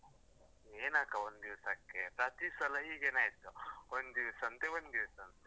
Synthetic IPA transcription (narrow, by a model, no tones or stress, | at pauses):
eːnaːkɐwond̪iʋsɐkːepɾat̪isɐlɐɦiɡeːnaːjit̪uond̪iʋsɐnt̪ewond̪iʋɐsɐnt̪e